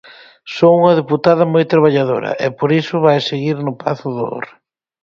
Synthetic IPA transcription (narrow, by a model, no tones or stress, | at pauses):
souŋɐðeput̪aðɐmojt̪ɾaβ̞aʎaðo̰ɾɐ̰ʔɛpoɾisʊβajseɣiɾnʊpaθʊðoo̰ɾ